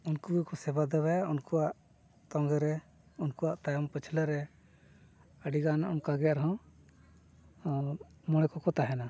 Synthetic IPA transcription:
unkubikɔsɛbad̪ɛbajaunkuwaʔ | t̪ɔŋɡɛɾɛ | unkuaʔt̪ajɔmpət͡ʃʰləɾɛ | əɖiɡanaʔɔmkaɡɛjaʔɾɦɔ̃ | mɔɽ̃ɛkɔkɔt̪aɦɛna

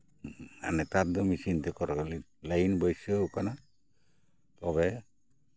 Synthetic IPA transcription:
a̰nɛt̪aɾd̪ɔmisint̪ɛkɔɾɔkɔlilajnbɔjsɔukana | t̪ɔβɛ

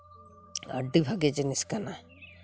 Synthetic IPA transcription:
ə̰ɖibʱaɡed͡ʒɛniskana

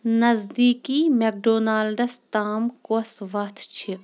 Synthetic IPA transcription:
nɐzd̪iːkiːmek̚ɖoːnaːlɖɐst̪aːmkosʋɐt̪ʰt͡ʃʰi

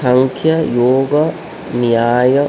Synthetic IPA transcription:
ɐŋkʰjɐjoːɡɐ | nijaːjɐ

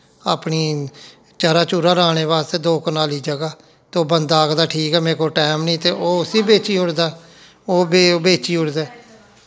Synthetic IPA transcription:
aːpniː | t͡ʃaːɾaːt͡ʃuɾaːɾaːɽ̃eːʋaːst̪eːd̪oːknaːliːd͡ʒəɡaː | t̪eoːbənd̪aːkd̪aːʈʰiːkɛːmẽːkoːʈɛːmnĩːt̪eːʔoːʊsiːbeːt͡ʃiːʊɽd̪aː | oːbebeːt͡ʃiːʊɽd̪eː

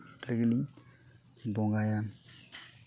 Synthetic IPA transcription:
ɾiɡiliŋ | bɔŋɡajam

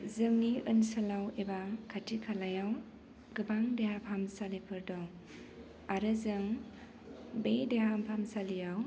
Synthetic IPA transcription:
zɯŋniɯnsɐlawebakʰatʰikʰalajaw | ɡɯbaŋdeɦapʰamsalipʰɯɾdaw | aɾɯzɯŋ | bedeɦampʰamsalijaw

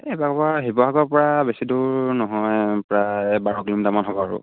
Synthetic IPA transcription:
ebakɔbaɦibɔɦaɡɔɹpɔɹabesidʊɹnɔɦɔjpɹajbaɹɔklimtamanɦɔbɔaɹʊ̰

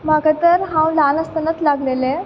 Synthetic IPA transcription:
maɡat̪əɾɦãwlanəst̪ənət͡s̪laɡlelẽ

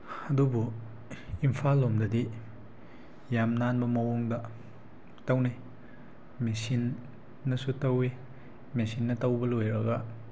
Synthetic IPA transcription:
ɐdubu | impʰalːomdɐdi | jamnanbɐmɐwoŋdɐ | tɐwnaj | mesinː | ɐsutɐwi | mesinːɐtɐwbɐlojɾɐɡɐ

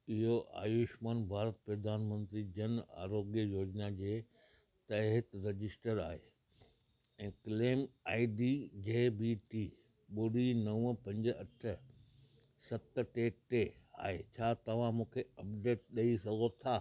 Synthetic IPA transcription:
ɪɦoʔa̰ːjʊʃmaːnbʱaːɾət̪pɾɐd̪ʱaːnmə̃nt̪ɾid͡ʑɐna̰ːɾoːɡjəjoːd͡ʑnad͡ʑeː | t̪ɐɦɪt̪ɾɐd͡ʑɪsʈəɾaːɦe | ɛ̃ːkleːmaːiɖid͡ʑeːbiʈiː | ɓoɽinɐʋəpɐ̃ɲd͡ʑɐʈʰə | sɐt̪ʈeʈea̰ːɦet͡ɕʰaːt̪ɐʋ̤ãmũːkʰeɐbɖeːʈɗɐisɐɡʱot̪ʰaː

